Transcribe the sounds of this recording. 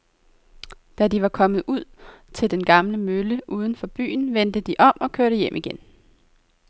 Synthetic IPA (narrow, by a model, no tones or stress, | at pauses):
d̥ædiʋɑ̈kʰɒ̽mð̩ˠuð̰ˠt͡sʰe̝ld̥enɡ̥ɑ̈mləmøləʔuːð̞ˠn̩fɒ̽b̥y̰ːn̩ʋend̥əd̥iʔɒ̽m̰ɒ̽kʰøɐ̰ɾəjem̰ʔiɡ̥en